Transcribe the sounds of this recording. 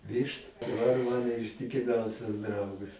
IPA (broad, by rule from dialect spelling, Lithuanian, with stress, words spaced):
ˈʋʲɪʃtʊ dɐˈbɐr ˈmɑːnoː ɪʃʲtʲɪkʲɪˈmʲɛʊsʲɛs ˈdrɐʊɡɐs